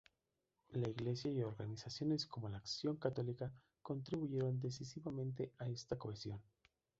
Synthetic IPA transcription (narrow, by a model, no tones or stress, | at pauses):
laiɣle̞sjaio̞ɾɣanisasjo̞ne̞skomo̞laːksjo̞ŋkat̪o̞lika | ko̞nt̪ɾiβuʝe̞ɾo̞nd̪e̞sisiβamẽ̞nt̪̬e̞ae̞st̪ako̞esjo̞n